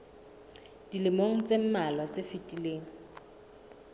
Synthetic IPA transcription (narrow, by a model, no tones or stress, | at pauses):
d̥ilɪmoŋ̩t͡sʼem̩malwat͡sʼefitʼileːŋ̩